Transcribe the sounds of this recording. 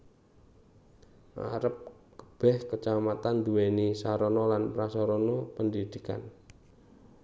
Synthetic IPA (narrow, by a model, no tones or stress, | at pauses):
ʔa̰ɾəp̚ | kə̥b̥ɛhkət͡ʃamat̪and̪uwenisaɾɔnɔlanpɾasɔɾɔnɔpəndid̪̥ika̰n